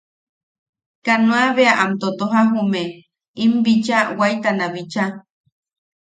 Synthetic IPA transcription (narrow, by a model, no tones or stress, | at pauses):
kanũaβeaʔamt̪ot̪oɦaɦume | imbit͡ʃawajt̪anaβit͡ʃa